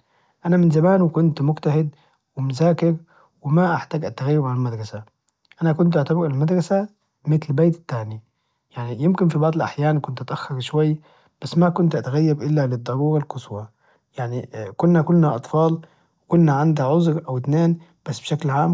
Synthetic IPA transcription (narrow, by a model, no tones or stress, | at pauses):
ʔanamɪnzamaːnwkʊnt̪mʊɡt̪ahɪd̪ | wɪmʊzaːkɪɾ | wɪmaʔaħt̪aːɡʔat̪ːaɣajːɪbʕanalmad̪ɾˤɑsa | ʔanakʊnt̪ʔɪʕt̪abɪɾalmad̪ɾˤɑsa | mɪt̪lbeːt̪t̪ːaːni | jaʕnijɪmkɪnfibɑʕd̪ˤɪlʔa̰ħjaːnkʊnt̪ʔat̪ʔaxːɑɾʃwajː | b̥asːmakʊnt̪ʔat̪aɣajːabʔɪlːalɪd̪ˤːɑɾuːɾɑlkʊswa | jaʕnikʊnːakʊlːnaʔɑt̪ˤfɑːl | wɪkʊnːaʕand̪aʕʊzɾʔawɪt̪neːn | b̥asːbʃaklʕaːm